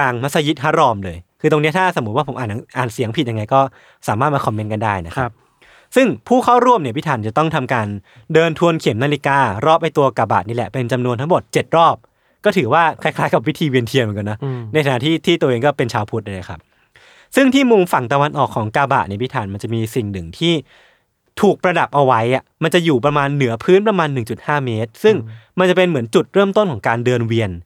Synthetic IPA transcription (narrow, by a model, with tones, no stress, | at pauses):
kaː˧ŋmʰa˦˥sa˧ji˦˥t̪̚ɦa˦˥ɾɔː˧mlɤː˧jkʰɯː˧t̪o˧ŋi˦˥ɐt̪ʰaː˥˩sa˨˩˦t̪̚waː˥˩po˩˦mʔaː˨˩nʰa˨˧ʔaː˨˩nsi˨˩˦əŋpʰi˨˩t̪̚ja˧ŋa˧jkɔː˥˩ | saː˩˦maː˥˩t̪̚maː˧kʰɔ˧mːe˦˥nka˧ndaː˥˩jna˦˥kʰa˦˥p̚ | sɯ˥˩ŋpʰuː˥˩kʰa˥˩wɾu˥˩əmni˧˩əpi˦˥t̪ʰaː˨˩˦nt͡ɕa˨˩t̪ɔ˥˩ŋt̪ʰa˧mkaː˧n | dɤː˧nt̪ʰu˧ənkʰe˩˦mnaː˧li˦˥kaː˧ɾɔː˥˩p̚ʔa˥˩jt̪u˧ɐkaː˧ba̰˨˩niː˦˥˩lɛ̰˨˩pe˧nt͡ɕa˧mnu˧nt̪ʰa˦˥ŋmo˨˩t̪̚t͡ɕe˨˩t̪̚ɾɔː˥˩p̚ | kɔː˥˩t̪ʰɯː˩˦waː˥˩kʰa˧˥˩jkʰaː˦˥jka˨˩wi˦˥t̪ʰiː˧wi˧ənt̪ʰi˧m˨˩˦ka˧nɔ˦˥na˧jkʰa˧na˦˧˥t̪ʰiː˥˩t̪ʰiː˥˩t̪u˧ʔeː˧ŋkɔː˥˩pe˧nt͡ɕʰaː˧wpʰu˦˥t̪̚a˧˩na˦˩kʰa˦˥p̚ | sɯ˥˩ŋt̪ʰiː˥˩mu˧mfa˨˩ŋt̪a˧wa˧nʔɔː˨˩kʰːɔː˩˦ŋkaː˧ba̰˨˩ni˥˩pi˦˥t̪ʰaː˩˦nma˧nt͡ɕa˨˩miː˧si˨˩ŋnɯ˨˩ŋt̪ʰiː˥˩ | t̪ʰuː˨˩k̚pɾa˧da˨˩p̚ʔa˧wa˦˥jʔa˨˩ma˧nt͡ɕa˨˩ʔjuː˨˩p̬ɾa˧maː˧nːɯ˨˩˦ɐpʰɯː˦˥npɾa˧maː˧nːɯ˨˩ŋt͡ɕu˨˩t̪̚haː˥˩meː˦˥t̪̚sɯ˥˩ŋma˧nt͡ɕa˨˩pe˧nmɯ˩˦ənt͡ɕu˨˩t̪̚ɾɤː˥˩mt̪o˥˩nkʰɔː˩˦ŋkaː˧ndɤː˧nwi˧ən